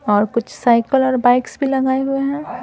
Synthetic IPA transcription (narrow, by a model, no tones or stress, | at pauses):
ɔːɾkʊt͡ʃʰsaːɪkəlɔːɾbaɪksbʱilɐɡaːeɦʊeɦɛ̃ː